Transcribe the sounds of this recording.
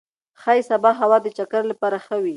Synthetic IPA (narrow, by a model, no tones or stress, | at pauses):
xajsabɑɦawɑd̪ət͡ʃakaɾlapɑɾaxəwi